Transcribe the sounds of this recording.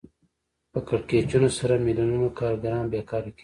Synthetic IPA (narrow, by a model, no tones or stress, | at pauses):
pəkɐɽkeːt͡ʃunosɐɾamilununokaːɾɡɐɾãːnbeːkaːɾiki